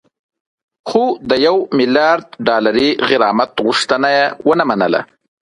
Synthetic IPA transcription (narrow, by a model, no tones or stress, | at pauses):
xod̪əjawmɪljɑːɾd̪̚ɖɑlaɾiɣɪɾɑːmat̪ɣʊʂt̪ənajawənamanə̰la̰